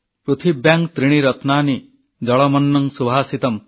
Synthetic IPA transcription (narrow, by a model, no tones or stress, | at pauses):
pɾut̪ʰibjaŋkt̪ɾiɽ̃iɾɔt̪naːni | d͡ʒɔɭɔmɔnːɔŋsubʱaːsit̪ɔm